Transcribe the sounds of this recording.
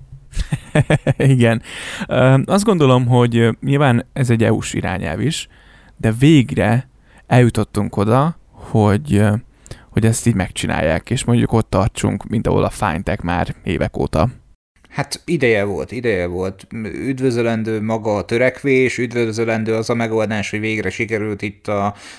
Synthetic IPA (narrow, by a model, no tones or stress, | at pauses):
iɡɛnøɒzd̪ɡo̞nd̪o̞lo̞mɦo̞ɟɲilvaːnɛzɛɟːɛṵʃḭɾa̰ːɲɛ̰lviʃ | d̪ɛveːɡrɛ | ɛljut̪o̞t̪ːuŋko̞d̪ɒ | ho̞ɟ | ho̞ɟɛst̪iːɟmɛkt͡ʃinʔa̰ːjːa̰ːkeːʃmo̞ɲɟuko̞t̪ːɒrt͡ʃṵŋkmint̪ɒ̰ɦo̰lʔɒfa̰jnt̪ɛkma̰ːrḛːvɛko̰ːt̪ɒ | hat̪id̪ɛjɛvo̞̰lt̪id̪ɛjɛvo̞lt̪ːyd̪vøzølɛnd̪øːmɒɡɒːt̪øɾɛkʋeːʃyd̪vøzølɛnd̪øːɒzɒmɛɡo̞ld̪aːʃho̞ɟveːɡɾɛʃikɛɾylt̪it̪ːɒ